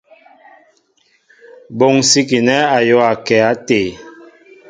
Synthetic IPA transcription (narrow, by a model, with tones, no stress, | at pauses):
bo˨ŋsi˦ki˨nɛ˦a˨jɔ˦a˨kɛ˨a˦te˨